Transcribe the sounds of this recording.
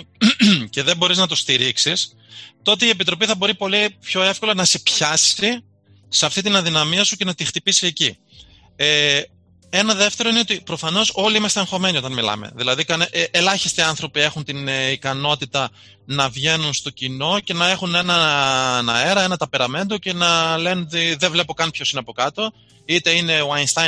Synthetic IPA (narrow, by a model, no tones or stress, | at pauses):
ce̞ðe̞bo̞ɾiznɐt̪o̞st̪iɾiksis | t̪o̞t̪e̞ie̞pit̪ɾo̞p̬iθɐbo̞ɾipo̞lipço̞e̞fko̞lɐnɐse̞pçɐsi | seɐft̪it̪inɐðinɐmiɐsuce̞nɐt̪ixt̪ipisieci | e | e̞nɐðe̞ft̪eɾo̞ine̞o̞t̪ipɾo̞fɐno̞so̞liimɐst̪eŋxo̞me̞niot̪ɐnmilɐ̰mḛðilɐðikɐnʔeʔelɐçist̪iɐnθɾo̞pie̞xunt̪inikɐno̞t̪it̪ɐ | nɐvʝe̞nunst̪o̞cino̞ce̞nɐe̞xune̞nɐːnɐ̰e̞ɾɐe̞nɐt̪ɐpeɾɐme̞nd̪oce̞nɐle̞nunt̪iðevle̞po̞kɐnpço̞sineɐpo̞kɐt̪o̞ | it̪e̞ine̞oɐjnst̪ɐ